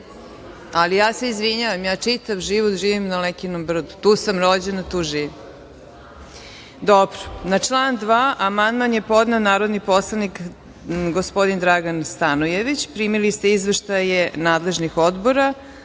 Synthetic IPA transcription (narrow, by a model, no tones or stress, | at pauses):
alijaːse̞izʋiɲaʋamjaːt͡ʂit̪aʋʒiʋot̪ʒiːʋimnalekinombr̩d̪ut̪uːsamɾod͡ʑenat̪uːʒiːʋim | d̪obɾo̥nat͡ʂlˠaːnd̪ʋaːʔamand̪manjepo̞d̪nanaːɾod̪niposlˠanik | ɡospo̞d̪ind̪ɾaɡanst̪anojeʋit͡ɕpɾiːmilist̪eizʋeʃt̪ajenaːd̪le̞ʒnixod̪boɾa